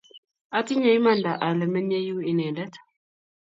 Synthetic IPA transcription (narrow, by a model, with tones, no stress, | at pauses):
a˦ti˦ɲa˨i˦ma˦˨nda˨ʔa˨lɛ˨mɛ˦ɲɛ˦ju˦i˨nɛ˨ndɛ˦tʰḁ